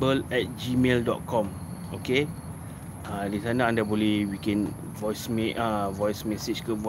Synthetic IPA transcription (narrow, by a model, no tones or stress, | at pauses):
bəlɛt̚d͡ʒimeldɔ̰t̚kʰɔ̃m | oke | alisanaãndaboliwikɛ̃n | vɔjsmɛʔavɔjsmɛset͡ʃkəvɔ